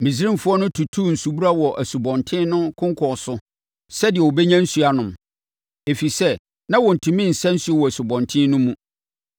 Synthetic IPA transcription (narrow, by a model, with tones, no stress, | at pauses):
mĩ˨si˦ɾĩ˦mfʊ˦ɔ˦nʊ̃˦tʰu˨tʰu˦n̩˨su˨bu˦ɾa˦wɔ˨ʔæ˨su˨bɔ̃˨ntʰɪ̃˦nʊ̃˦kʰʊ̃˦ŋkʰɔ˨sʊ˦ | sɛ˦dɪ˨ɛ˨wɔ˨bɛ˦ɲã˦n̩˦su˨a˨nʊ̃˨m | e˨fi˨sɛ˦ | nã˦wɔ̃˨n̩˨tʰũ˨mĩ˦n̩˨sɛ̃˦n̩˦su˦ɛ˦wɔ˨æ˨su˨bɔ̃˨ntʰɪ̃˦nʊ̃˦mũ˦